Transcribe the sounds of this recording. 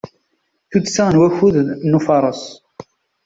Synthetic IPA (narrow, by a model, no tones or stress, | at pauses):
θut͡sːsænwæçuðnufɑɾˤəs